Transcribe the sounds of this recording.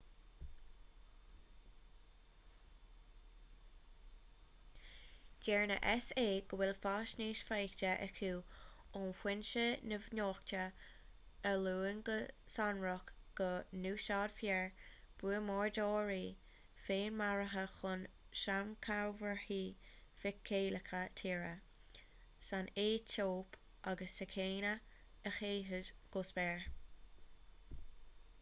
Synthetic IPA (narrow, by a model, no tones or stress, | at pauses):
d͡ʒɛːɹnə̰ʔɛseːɡ̥əwɪlfaːʃniːʃfajktəʔɛ̰kʰuː | ʊnxwɪnʃənəvnoːktə | əluːənɡəsanɹʊkɡ̥ənuːʃaːd̥fjɛɹ | b̥uəmɔːɹdoːɹi | feːnmaɹəɦəxʊnʃamkʰaɹvəɹhiːfɪkʰːeːləkʰətʰiːɹə | saneːtʰoːp | ʔaɡəsəkʰeːnə | əxeːɦədɡ̥ʊsbɛɹ